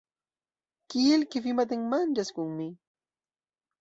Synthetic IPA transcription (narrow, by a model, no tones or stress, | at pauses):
kɪjɪlkɪfɪmat̪̬ɪŋmant͡ʃaskʊŋmɪ